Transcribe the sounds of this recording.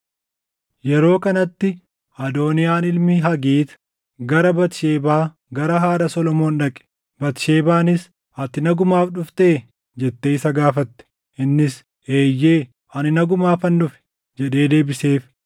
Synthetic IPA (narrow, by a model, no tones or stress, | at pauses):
jɛɾo̞ːkɐnɐt̪ːɪ | ɐd̪o̞ːnɪjaːnɪlmɪɦɐɡiːt̪ | ɡɐɾɐbɐt̪ɪʃeːbaː | ɡɐɾɐɦaːɾɐsɔlɔmo̞ːnᶑɐkʼɛ̥ | bɐt̪ɪʃe̞ːbaːnɪs | ɐt̪ɪnɐɡʊmaːfᶑʊft̪eː | d͡ʒɛt̪ːeɪsɐɡaːfɐt̪ːɛ̥ | ʔɪnːɪs | eːjːeː | ɐnɪnɐɡʊmaːfɐnːʊfɛ̥ | d͡ʒɛɗe̞ːd̪e̞ːbɪse̞ːf